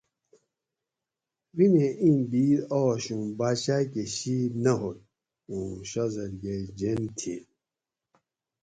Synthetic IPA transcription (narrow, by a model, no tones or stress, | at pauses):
ɾimẽʔĩbiːɾɔːɕũbaːɕaːkeɕiːnɐɦot̪ | ũːɕazɐɾɡed͡ʑent̪ʰi